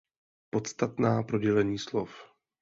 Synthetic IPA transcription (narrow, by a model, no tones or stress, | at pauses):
po̞t̪st̪at̪naːpɾoɟɛlɛɲiːslof